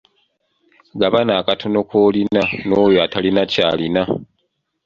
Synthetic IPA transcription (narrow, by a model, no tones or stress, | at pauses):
ɡaβanaːkatʰo̞no̞kʰoːlinanoːjoatalinaca̰ːlina